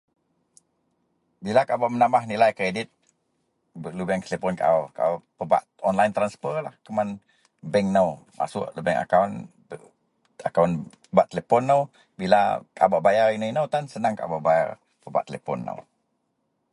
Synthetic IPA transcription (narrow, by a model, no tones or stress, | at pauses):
bilakabaʔmənamahnilajkɾedit̪̚ | bəlubɛŋt̪əlepɔnkaa̰ka̰pəba̰ʔ | ɔnlajnt̪ɾanspərlahkəman | bɛŋnəwmʔa̰sʊ̰ʔlubɛŋʔa̰kawn | akawn | əbaʔt̪ːəlepɔnːəw | bila̰ka̰baʔbajaɾinəinəwt̪ansənaŋka̰baʔbaja̰r | pəba̰ʔt̪əlepɔ̰nːə̰w